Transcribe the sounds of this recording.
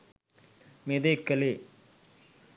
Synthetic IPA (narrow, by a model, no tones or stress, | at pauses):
med̪ekːɐle